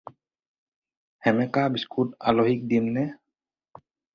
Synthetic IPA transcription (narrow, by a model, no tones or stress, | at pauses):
hɛmɛkabiskʰuta̰loɦik̚dimnɛ